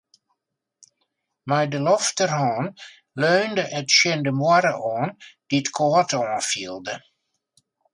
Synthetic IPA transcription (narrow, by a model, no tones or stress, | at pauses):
mɛjdəlɔftərhɔːn | løːndəʔətʃɪndəmwaɾəʔɔːnd̥iətkʰoːətʰɔːnfilˠdə